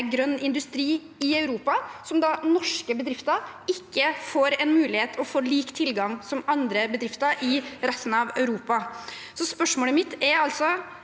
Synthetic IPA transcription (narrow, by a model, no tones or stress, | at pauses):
ɡɾœnːɪnd̪ʉst̪ɾiː | ɪɑʉɾuːpɑsɔmd̪ɑnɔʂkəbəd̪ɾɪft̪əɾɪkːəfoːɾɛnmʉːlɪheːt̪ʰɔfoːliːkt̪ʰɪlɡɑŋsɔmɑnd̪ɾəbəd̪ɾɪft̪əɾʔɪɾɛst̪n̩ɑʋœʉɾuːpɑsɔspœʂmoːləmɪt̪ːæɾɑlsɔ